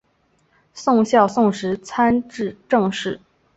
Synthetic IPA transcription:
sʊ˥˧ŋɕjɑ˥˧ʊsʊ˥˩ŋʂɻ̩˧˥t͡sʰa˥nʈ͡ʂɻ̩˥˧ʈ͡ʂɤ˥˧ŋʂɻ̩˥˩

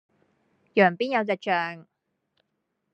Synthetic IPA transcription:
jœː˨˩ŋpiː˥njɐ˨˧wt͡sɛ˨˩t͡ʃœː˨ŋ

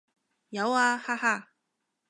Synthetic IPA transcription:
jɐ˨˧˥waː˧haː˥˩ha˥˩

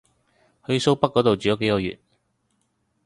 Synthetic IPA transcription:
hɵ˧ɥso˥wpɐ˥k̚kːɔː˨˥t̪o˨wt͡ʃyː˨jo˨˧˥ke˨˥jkɔː˧jy̰ː˨˩t̚

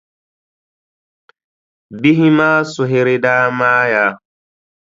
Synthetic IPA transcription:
bi˦ɦi˦maː˦su˨ɦe˨ɾe˦daː˦maː˦ja˨˦

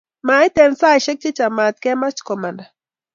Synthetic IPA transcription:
ma˨˦i˦tɛ˨nsa˦i˨ʃɛ˦k̚t͡ʃi˦t͡ʃa˨ma˨t̪̚kɛ˦ma˦t͡ʃkɔ˨ma˨nda˨

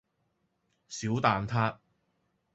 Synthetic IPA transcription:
siː˨˥wt̪aː˨nt̪ʰaː˥

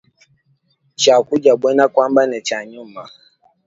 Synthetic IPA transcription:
t͡ʃa˨kʷu˦d͡ʒa˨be˦na˦kʷa˦mba˦ne˨t͡ʃa˨ɲʊ˦˨mːa˨

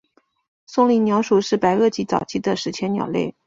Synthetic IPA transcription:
sʊ˥˧ŋli˧˥njɑ˧˥ʊʂu˨˩ʂɻ̩˥˩pa˧˥ɪɤ˥˩t͡ɕi˧˥t͡sɑ̰˨˩ʊt͡ɕʰi˧˥d̪ə˧˨ʂɻ̩˧˥t͡ɕʰjɛ˧˥njɑ̰˨˩ʊlḛ˥˩ɪ

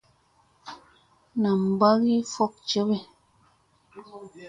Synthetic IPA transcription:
na˨m̩˨ba˦ɣi˦fɔ˦˨k̚t͡ʃə˦be˨

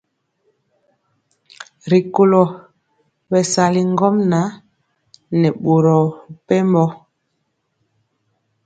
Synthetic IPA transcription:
ɾi˨ko˨lɔ˨ | bɛ˨sa˨li˨ŋ˦ɡɔ˦mna˨˦ | nɛ˨ɓo˨ɾɔ˨pɛ˦mbɔ˦

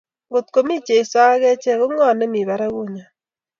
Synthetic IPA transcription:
ŋɡo˨t̚ko˨mi˦t͡ʃe˨i˨sa˦ɣɛ˦t͡ʃɛ˦ɣo˦ŋɔ˦˨nɛ˦mi˨βa˨ɾɛ˦ɣo˦ɲa˨

